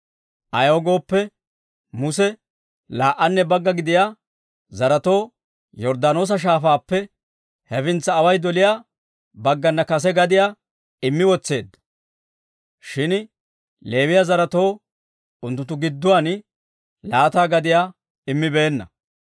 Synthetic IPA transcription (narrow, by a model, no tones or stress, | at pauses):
ʔɐjoːɡo̞ːpːɛ | mʊsɛ | laːʔɐnːɛbɐɡːɐɡɪd̪ɪjaː | zɐɾɐt̪o̞ː | jɔɾd̪ano̞ːs̬ɐʃ̬aːfaːpːɛ | hɛfɪnt͡sːɐːwɐjd̪ɔlɪjaː | bɐɡːɐnːɐkɐs̬ɛɡɐd̪ɪjaː | ɪmːɪwɔt͡sːe̞ːd̪ːɐ̥ | ʃɪn | le̞ːwɪjazɐɾɐt̪o̞ː | ʊnt̪ːʊnt̪ːʊɡɪd̪ːʊwaːn | laːt̪aːɡɐd̪ɪjaː | ɪmːɪbe̞ːnːɐ